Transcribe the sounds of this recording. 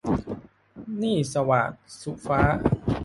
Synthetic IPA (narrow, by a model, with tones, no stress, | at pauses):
niː˥˩sa˧wa̰ː˨˩t̪̚su˨˩faː˦˥